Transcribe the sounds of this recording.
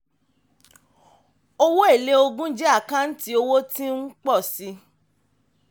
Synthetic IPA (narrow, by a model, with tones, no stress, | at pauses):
o˦wo˦e˦˨le˦o˧ɡũ˦d͡ʒɛ˦a˦˨kã˦n̩˦ti˦o˧wo˦tĩ˦n̩˦k͡pɔ˦˨si˧˦